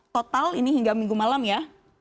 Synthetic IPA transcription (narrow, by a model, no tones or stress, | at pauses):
t̪ot̪aliniɦiŋɡamiŋɡumalamja